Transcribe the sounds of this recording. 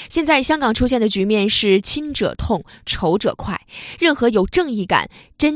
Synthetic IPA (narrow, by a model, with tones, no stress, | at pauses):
ɕjɛ˥˧nt͡sa˥˩ɪɕjɑ˥ŋkɑ˨˩ŋʈ͡ʂʰu˥ɕjɛ˥˩nd̪ə˩t͡ɕy˧˥mjɛ˥˧nʂɻ̩˥˩t͡ɕʰi˥nʈ͡ʂɤ̰˨˩t̪ʰʊ˥˩ŋʈ͡ʂʰo˧˥ʊʈ͡ʂɤ̰˨˩kʰwa˥˩ɪɻə˥˩nxɤ˧˥jo˨˩ʊʈ͡ʂɤ˥˧ŋi˥˩ka̰˨˩˦nʈ͡ʂə˥n